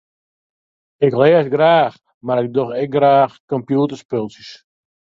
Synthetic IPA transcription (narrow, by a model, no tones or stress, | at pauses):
ɪklɛəsɡraːx | maɾɪk̚doxɛk̚ɡraːxkɔmpjuːtərspølˠsis